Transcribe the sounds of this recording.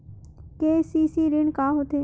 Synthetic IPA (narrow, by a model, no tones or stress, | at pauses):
keːsiːsiːɾɪɳkaːɦot̪eː